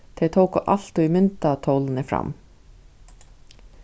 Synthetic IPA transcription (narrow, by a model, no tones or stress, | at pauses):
t̪ʰɛt̪ʰowkʊʔaɬt̪uimʏnt̪at̪ʰowlnɪfɾa̰m